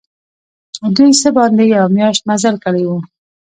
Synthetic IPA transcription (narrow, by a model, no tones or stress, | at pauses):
d̪ujsəbɑnd̪ejawmjɑʃt̪̚mazəlkəɽewu